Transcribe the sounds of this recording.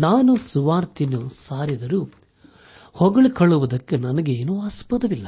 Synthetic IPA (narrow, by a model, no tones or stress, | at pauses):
naːnusuʋaːɾt̪inusaːɾid̪ɐɾuː | hɔɡɐɭikʰɐɭːuʋud̪ɐkːenɐnɐɡeːnuːɐspɐt̪ɐʋilːɐ